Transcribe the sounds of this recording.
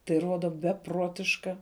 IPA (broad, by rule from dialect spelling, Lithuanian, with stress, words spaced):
tɐɪ ˈruɔdɐ bʲɛˈpruɔtʲɪʃkɐ